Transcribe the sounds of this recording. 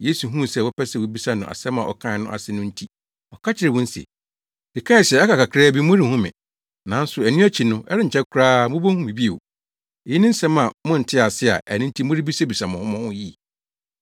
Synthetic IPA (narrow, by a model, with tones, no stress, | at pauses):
jeː˦su˨ɦũ˦˨sɛ˦˨wʊ˦pʰɛ˦sɛ˨wʊ˦bi˦sa˦nʊ̃˨a̰˨sɛ˦mã˨ʔɔ̰˨kʰã˦˨nʊ̃˦ʔa̰˨sɪ˦nʊ̃˦n̩˦tʰi˦ | ɔ˨kʰa˦t͡ɕʰɪ˨ɾɛ˨wʊ̃˦n̩˦sɛ̰˨ | d̥ɪ˨kʰã˦˨sɛ˨ɛ˦ka˨ka˨kʰɾɛ˦bi˦mʊ̃˦ɾi˦hũ˦mɪ̰̃˨ | nã˨˦n̩˦sʊ˨æ˨nɪ̃˦æ˦t͡ɕʰi˨nʊ̃˦ʔɛ˦ɾɪ˦ɲ̩ʰ˨ɛ˦kʰʊ˦ɾaː˦mʊ̃˦bo˦hũ˦mĩ˨bi˦e˨o˨ | e˨ji˦nɪ̃˦n̩˦sɛ̃˦mã˨mʊ̃˦n̩˨tʰɪ˦a˨sɪ˦a̰˨ʔæ˨nɪ̃˦n̩˦tʰi˦mʊ̃˦ɾi˦bi˦sa˦bi˨sa˨mʊ̃˨hʊ̃˦mʊ̃˦hʊ̃˦ji˦˨